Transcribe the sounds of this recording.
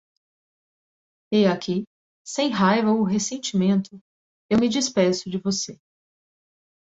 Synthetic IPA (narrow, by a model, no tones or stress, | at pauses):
eakʰi | sẽj̃ɦajvɐoʊɦesẽnt͡ʃimẽnt̪ʊ | ewmɪd͡ʒispɛ̃sʊd͡ʒɪvose